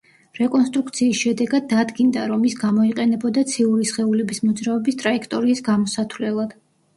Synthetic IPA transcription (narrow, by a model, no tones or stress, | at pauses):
ɾɛkʼɔnst̪ʼɾukt̪sʰiːsʃɛd̪ɛɡad̪̚ːad̪ɡind̪aɾɔmisɡamɔiqʼɛnɛbɔd̪at̪sʰiuɾisχɛulɛbismɔd̪zɾaɔbist̪ʼɾaikʰt̪ʼɔɾiːsɡamɔsat̪ʰvlɛlˠad̪̥